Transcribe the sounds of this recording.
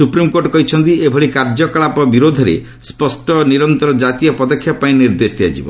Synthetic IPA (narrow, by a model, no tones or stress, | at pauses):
supɾimkoɾʈɔkɔɦit͡ʃʰɔnt̪iebʱɔɽikaɾd͡ʒɔkɭapɔbiɾod̪ʱɔɾḛ | spɔsʈɔniɾɔnt̪ɔɾɔd͡ʒat̪ijɔpɔd̪ɔkʰːjapaĩniɾd̪esd̪iad͡ʒḭbɔ